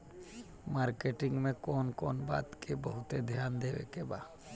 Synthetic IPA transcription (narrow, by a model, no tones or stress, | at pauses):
maːɾkeʈɪ̃ŋɡmẽkoːnkoːnba̰ːt̪kebəɦʊt̪ed̪ʱjaːnd̪eʋḛkeba̰